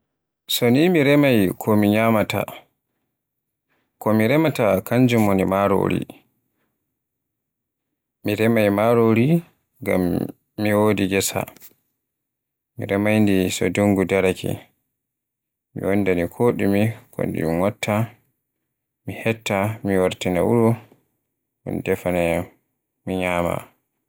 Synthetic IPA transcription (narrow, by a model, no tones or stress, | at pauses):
sɔnimiɾɛmajkʰɔmiɲamata̰ | kɔmiɾɛmatakaɲd͡ʒumonimaɾo̰ːɾḭ | miɾɛmajmaɾoɾi | ɡa̰mː | iwoːdiɡɛsa̰ | mḭɾɛmajndisɔduŋɡudaɾakḭ | mḭwondanikʰoːɗimikʰo̰ndḭumwatʰːa | mihɛtːamiwaɾtinaʔuɾɔ | mṵndɛfanɛ | miɲaːma̰